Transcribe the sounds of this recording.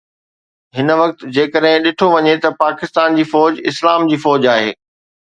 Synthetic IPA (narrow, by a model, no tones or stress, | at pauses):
ɦɪnʋɐk̚t̪̆d͡ʑeːkəɗɦɪ̃ɗɪʈʰoʋɐɲet̪ɐpaːkɪst̪aːnd͡ʑiːfɔːd͡ʑɪslaːmd͡ʑiːfɔːd͡ʑaːɦḛː